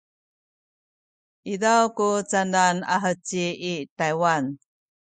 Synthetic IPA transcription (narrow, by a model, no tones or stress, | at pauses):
idawkut͡sandana̰ɦət͡ɕiitajwan